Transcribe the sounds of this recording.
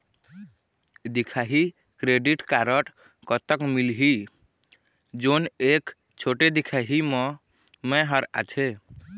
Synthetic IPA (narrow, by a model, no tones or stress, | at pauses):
d̪ikʰaɦi | kɾeɖiʈkaɾəʈ | kət̪əkmilɦi | d͡ʒonek | t͡ʃʰoʈed̪ikʰaɦime | mɛ̃ɦəɾa̰t͡ʃʰe